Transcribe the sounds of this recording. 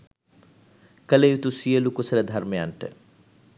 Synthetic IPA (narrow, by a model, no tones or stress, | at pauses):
kəlejut̪usijəlukusələd̪ʱarmejaɳʈə̰